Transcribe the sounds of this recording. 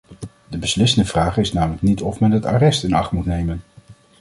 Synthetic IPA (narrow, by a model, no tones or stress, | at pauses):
dəbəslɪsəndəv̥raːχɪsnaːwmələk̚nitɔfmɛnɦəta̰ːrɛstɪnɑχtmutnejmən